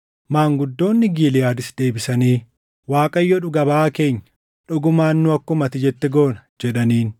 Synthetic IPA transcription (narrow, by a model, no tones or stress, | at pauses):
maːŋɡʊd̪ːo̞ːnːɪɡiːlɪjaːd̪ɪsd̪e̞ːbɪsɐniː | waːkʼɐjːɔᶑʊɡɐbaaːke̞ːɲːɐ | ᶑɔɡʊmaːnːʊɐkːʊmɐt̪ɪd͡ʒɛt̪ːɛɡoːnɐd͡ʒɛᶑɐniːn